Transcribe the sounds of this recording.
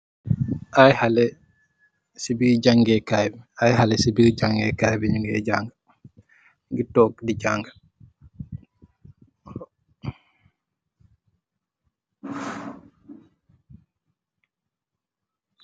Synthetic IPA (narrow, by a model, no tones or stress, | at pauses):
ʔajhalɛ | sibiɾd͡ʒaŋɡɛkajbɛajɦalɛsibiɾd͡ʒaŋɡɛkajbɛɲuŋɡɛ̰d͡ʒaŋɡa | ŋɡitɔkdid͡ʒaŋɡa